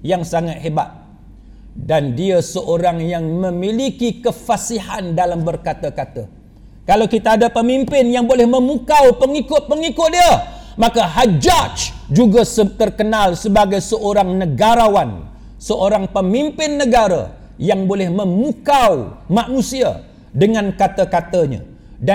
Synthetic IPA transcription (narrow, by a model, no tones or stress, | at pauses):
jaŋsaŋat̪̚ɦeba̰t̪̚ | dandiəsəʔoɾaŋjaŋmə̃milikikəfasiɦandalambərkat̪əkat̪ə | kalawkit̪aːdapəmimpɪnjaŋbolɛhmə̃mukawpəŋikʊt̪̚pəŋikʊt̪̚diəmãkaɦad͡ʒat͡ʃd͡ʒuɡasət̪ərkənalsəbaɡajsəʔoɾaŋnəɡaɾawan | səʔoɾaŋpəmimpɪnːəɡaɾa̰ | jaŋbolɛhmə̃mukawmanusia̰ | dəŋãnkat̪akat̪aɲa̰ | da